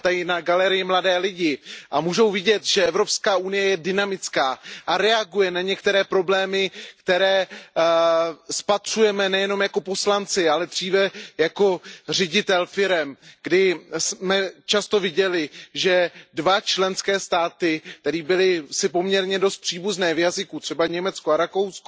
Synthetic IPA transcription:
t̪ajɪnaɡalɛɾɪjɪmladɛːlɪɟɪʔamuːʒo̞wvɪɟɛt̪ʒɛɛvɾo̞pskaːʔunɪjɛjɛdɪnamɪt͡skaːʔaɾɛaɡujɛnaɲɛkt̪ɛɾɛːpɾo̞blɛːmɪkt̪ɛɾɛː | spat̪r̝̥ujɛmɛnɛjɛno̞mjako̞po̞slant͡sɪalɛdr̝iːvɛjako̞r̝ɛɟɪt̪ɛlfɪɾɛmɡ̥dɪsmɛt͡ʃast̪o̞vɪɟɛlɪʒɛdvat͡ʃlɛnskɛːst̪aːt̪ɪkt̪ɛɾiːbɪlɪsɪpo̞mɲɛɾɲɛdo̞st̪̚pr̝̥iːbuznɛːvjazɪkut̪r̝̥ɛbaɲɛmɛt͡skoaɾako̞wsko

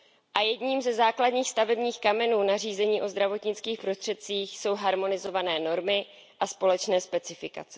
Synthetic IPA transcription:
ʔajɛdɲiːmzɛzaːkladɲiːxst̪avɛbɲiːxkamɛnuːnar̝iːzɛɲiːʔo̞zd̪ɾavo̞t̪ɲɪt͡skiːxpɾost̪r̥ɛt̪̚t͡siːxso̞wɦaɾmo̞nɪzo̞vanɛːno̞ɾmɪ | ʔaspo̞lɛt͡ʃnɛːspɛt͡sɪfɪka̰t͡sɛ̥

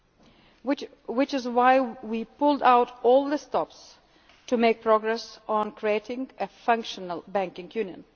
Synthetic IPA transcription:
wɪt͡ʃɨzwaɪwipʊlˠdaʊɾɔlˠðəstɔps | tʰɨmeɪk̚pʰɹ̥ɔɡɹɛsn̩kʰɹieɪɾɪ̃ŋɨfʌ̃ŋkʃənəlˠbæ̃ŋkɪ̃ŋjʉnjə̰̃n

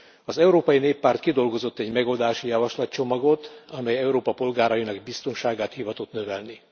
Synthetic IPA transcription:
ɒzɛuɾoːpɒjineːpːaːrt̪kid̪o̞lɡo̞zo̞t̪ːɛɟmɛɡo̞ld̪aːʃijɒvɒʃlɒtt͡ʃo̞mɒɡo̞t̪ɒmɛjɛuɾoːpɒpo̞lɡaːɾɒjinɒɡbist̪o̞nʃaːɡaːt̪hivɒt̪ot̪nøvɛlni

